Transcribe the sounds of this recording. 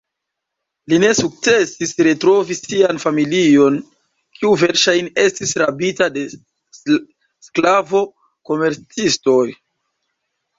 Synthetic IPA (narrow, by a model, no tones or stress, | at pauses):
line̞suk̚t͡se̞sisɾetɾo̞visianfamilio̞n | kʰiuve̞ɾʃajne̞stisɾabitade̞ | sklavo̞ | ko̞me̞ɾt͡sisto̞j